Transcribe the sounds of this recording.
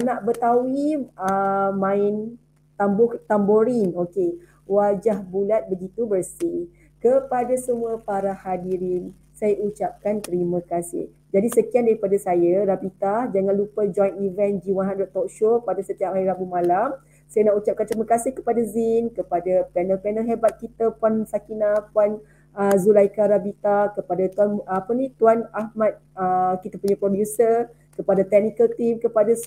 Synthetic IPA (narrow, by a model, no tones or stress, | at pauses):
naʔbət̪awiəmãɪn | t̪ambɔht̪amboɾinoke | wad͡ʒahbulat̪̚bəɡit̪ubərsɪ | kəpadasəmuapaɾahadiɾɪn | sajaʔut͡ʃap̚kant̪əɾimãkasɪ̰h | d͡ʒadisəkiandaɾipadasajaɾapit̪ahd͡ʒaŋãnlupəd͡ʒɔjnivɛnd͡ʒiwãɦãndɾɛʔt̪ɔkʃopadasət̪iap̚aiɾabumãlam | sajənaʔut͡ʃap̚kant̪əɾimə̃kasɪhkə̥padazinkəpadapɛnəlpɛnəlɦɛbat̪̚kit̪əpansakinãpuan | əzulajkaɾabit̪akəpadat̪uanːpənit̪uanahmãt̪̚əkit̪apuɲãpɾodjusə | kəpadat̪ɛk̚nikəlt̪imkəpada